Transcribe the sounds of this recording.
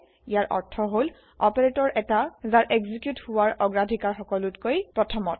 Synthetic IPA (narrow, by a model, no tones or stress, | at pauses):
ijaɹʔɔ̰ɹtʰɔɦol | ɔpeɹetɔɹʔɛtazaɹʔeɡzikjuthʊwaɹɔɡɹadʱikaɹxɔkɔlutkojpɹɔtʰɔmɔt̚